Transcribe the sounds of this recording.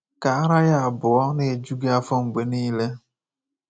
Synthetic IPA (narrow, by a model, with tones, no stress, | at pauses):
ka˨a˦ɾa˦ja˦a˨bʊ˨ɔ˦ne˨e˨d͡ʒu˦ɡe˦a˦fʊ˦ŋ͡m̩˨ɡ͡be˨niː˦le˦